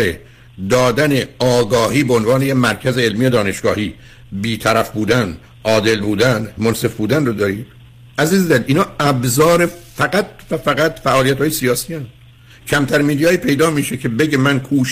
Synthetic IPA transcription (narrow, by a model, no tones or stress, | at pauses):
ɾe | d̪ɒːd̪æneɒːɡɒːhiːbeonvɒːnejemæɾcʰæzeelmijod̪ɒːne̞ʃɡ̥ɒːhiː | biːt̪ʰæɾæfbuːd̪æn | ʔɒːd̪e̞lbuːd̪ænmonse̞fbuːd̪ænrod̪ɒːɾiː | ʔæziːzd̪æniːnhɒːæbzɒːɾefæɡæt̪̚fæfæɡæt̪fæʔɒːlijæt̪hɒːjesijɒːsiːænd̪ | cʰæmt̪ʰæɾmiːd̪ijɒːiːpʰe̞jd̪ɒːmiːʃecʰe̞be̞ɟemænkʰuːʃ